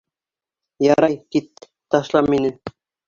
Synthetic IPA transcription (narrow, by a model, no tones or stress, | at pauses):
jɑɾɑjkit̪̚ː | ɑʃlˠɑmːinɘ